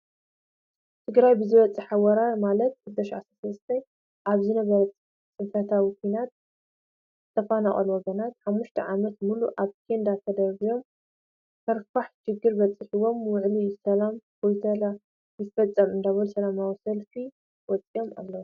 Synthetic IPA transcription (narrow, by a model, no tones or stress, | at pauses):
t̪ʰɨɡɾajbɨzɨβɐt͡sʼːɨħawɐɾaɾmalɐt̪̚ːɨd̪ɐʃʕasɾasɐlɨst̪ʰɐj | ʔaβzɨnɐβɐɾɐ | t͡sʼɨnfɐt̪ʰawikʷʰijnat̪̚ | t̪ʰːɐfanaχʼɐ̰lwɔɡɐnat̪ħamːuʃt̪ʰɐ̰ʕamɐt̪muluʔaβkʰend̪at̪ʰɐd̪ɐɾβijo̞m | k̪ʰɐɾfaħʃɪɡːɨɾbɐt͡sʼɨħiwo̞mwʊʕlisɐlamkʰojt̪ʰɐla | jɨt̪fɐt͡sʼːɐmɨnd̪aβɐlusɐlamawisɐlfi | wɔt͡sʼijo̞ma̰lːɐwu